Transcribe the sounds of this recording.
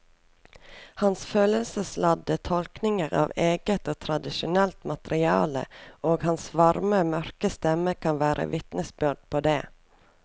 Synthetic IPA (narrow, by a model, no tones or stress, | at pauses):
hɑnsføːləlsəslɑd̪ət̪ʰɔlknɪŋəɾɑ̰ːʋeːɡət̪oːt̪ʰɾɑd̪ɪʃʊnɛlt̪mɑt̪əɾɪɑ̰ːlə̰oːɡhɑnsʋɑɾməmœɾkəst̪ɛməkʰɑnʋæːɾʔə̰ʋɪt̪nəsbʉɖ̚pʰoːd̪eː